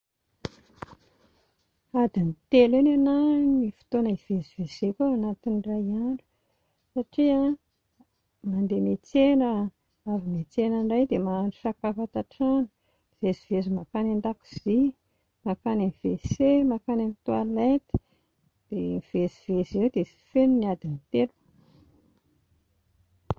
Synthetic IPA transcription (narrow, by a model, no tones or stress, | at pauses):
ad̪init̪elinananifi̥t̪onaiv̥ezivesekʲoanat̪inraaɳu̥ | saʈ͡ʂia | mand̪emet͡senə | avimet͡senaɳɖ͡ʐajd̪emaːɳɖ͡ʐusakafat̪aʈ͡ʂanə̥ | ivezivezimakanand̪aku̥z̥i | makanamiv̥esemakanamit̪walet̪i̥ | d̪̥emiv̥ezivezewd̪esi̥fenuniad̪init̪elu